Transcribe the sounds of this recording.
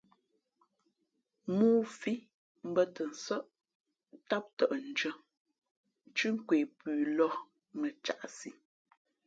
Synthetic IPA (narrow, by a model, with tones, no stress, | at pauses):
muː˦fi˦ | m̩˦bə˦tə˨n̩˨sə˦ʔ | ta˦p̚tə˨ʔn̩˨d͡ʒə˦ | t͡ʃʉ˦ŋ̩˦kweː˨pʉː˨lɔ˦ | mə˨t͡ʃa̰˨ʔsi˨